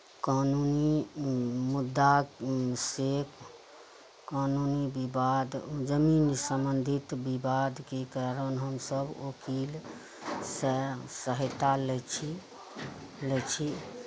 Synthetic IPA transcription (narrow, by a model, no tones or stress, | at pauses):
kanuni | mud̪ːa | sek | kanunibibad̪d͡ʒəminsəmbənd̪ʱit̪bibad̪kekaɾənɦəmsəbokil | sesəɦət̪alɛt͡ʃʰi | lɛt͡ʃʰi